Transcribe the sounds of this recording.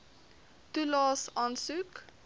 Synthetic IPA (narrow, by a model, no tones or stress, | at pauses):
tulɑːsɑnsʉk